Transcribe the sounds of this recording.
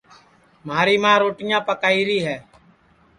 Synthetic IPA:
maːɾiːmãːɾoːʈɪːjãːpəkaːiːɾiːɦɛː

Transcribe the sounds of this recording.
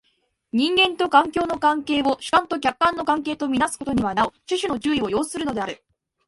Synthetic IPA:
ɲ̟ĩŋɡẽ̞nt̪o̞kãŋkʲo̞ːno̞kãŋke̞ːo̞ɕi̥kãnt̪okʲakːãnːo̞kãŋke̞ːt̪omʲinasɨ̥ko̞t̪o̞ɲ̟iβanaot͡ɕiɕɨno̞ʑɨːio̞jo̞ːssɨɾɯ̟no̞d̪e̞aɾɯ̟

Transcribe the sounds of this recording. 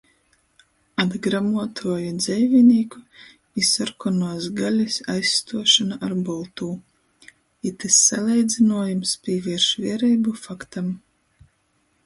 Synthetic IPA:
ad̪ɡɾamuɔt̪ʰuɔjud̪zɛjvʲinʲiːku | isɔɾkɔnuɔsɡalʲisʲajsːt̪uɔʃanaʔaɾbɔlˠt̪uː | it̪ɨsːalʲˠɛjd̪zinuɔjumspʲiɛvʲiɛɾʃviɛɾɛjbufakt̪am

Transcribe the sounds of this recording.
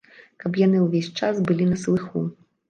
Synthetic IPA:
kɐpjan̪ɨwvʲesʲt͡ʂasbɨlʲinɐslˠɨxu

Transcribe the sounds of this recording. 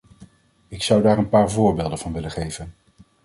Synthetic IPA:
ɪksʌwdaːɹənpaːɹvʊːɹbeːlˠdəvɑnʋɪləχejvən

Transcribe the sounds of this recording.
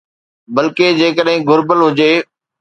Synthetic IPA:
bɐlked͡ʑeːkəɗɦɪ̃ɡʊɾbəlɦʊd͡ʑeː

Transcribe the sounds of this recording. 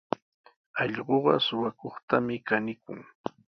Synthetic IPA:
ɑʎɢoɢɑsʊwakoχt̪amɪkanɪkʊ̰ŋ

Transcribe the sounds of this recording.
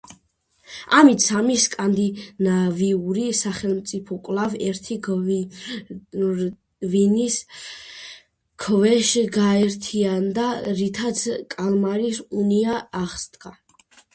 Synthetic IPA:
amit̪sʰamiskʼand̪inaviuɾisaχɛlmt̪sʼipʰɔkʼlˠavɛɾt̪ʰi | vinis | kʰvɛʃɡaɛɾt̪ʰiand̪aɾit̪ʰat̪sʰkʼalmaɾisuniaːχst̪ʼkʼa

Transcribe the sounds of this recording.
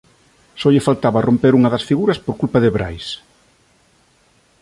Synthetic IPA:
sɔʎɪfalt̪aβɐrompeɾuŋɐðɐsfiɣuɾɐspoɾkulpɐðɪβɾa̰js

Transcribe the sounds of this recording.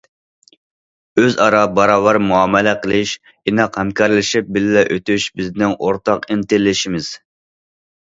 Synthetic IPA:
øzɑɾɑbɑɾɑːvɑɾmuɑmɛlɛqʰəlˠɪʃ | inɑqhɛmkʰɑɾlɪʃip̚bɪllɛʔøt̪yʃbɪznɪŋʔoɾt̪ɑqint̪ɪllːɪʃimɪz̥

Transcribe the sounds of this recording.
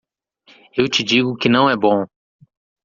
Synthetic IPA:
ewt͡ʃɪd͡ʒiɡʊkɪnɐ̃w̃ɛbõ

